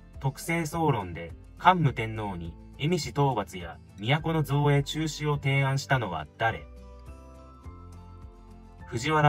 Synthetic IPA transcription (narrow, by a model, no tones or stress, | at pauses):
t̪o̞kɯ̟̥se̞ːso̞ːɾõ̞nd̪e̞ | kãmːɯ̟t̪ẽ̞nːo̞ːɲ̟i | e̞mʲiɕit̪o̞ːbat͡sɨja | mʲijako̞no̞zo̞ːe̞t͡ɕɨːɕio̞t̪e̞ːãɰ̃ɕi̥t̪ano̞βa̰d̪̥aɾe̞̰ | ɸɯ̟ʑiβaɾ